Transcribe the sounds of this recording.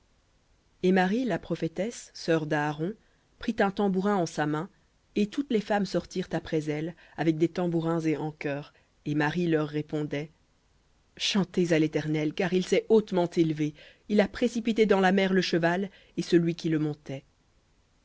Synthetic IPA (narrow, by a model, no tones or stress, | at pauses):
emaʁilapχɔfet̪ɛsːœʁd̪aːʁɔ̃ | pχit̪ɛ̃t̪ɑ̃buʁɛ̃ɑ̃samɛ̃ | et̪ut̪lefamsɔʁt̪iʁt̪apχɛzɛlavɛk̚d̪et̪ɑ̃buʁɛ̃zeɑ̃kœːʁ | emaʁilœʁːepɔ̃d̪ɛ | ʃɑ̃t̪ezalet̪ɛʁnɛlkaʁilsɛot̪mɑ̃t̪elve | ilapχesipit̪ed̪ɑ̃lamɛʁləʃəval | esəlɥikʲiləmɔ̃t̪ɛ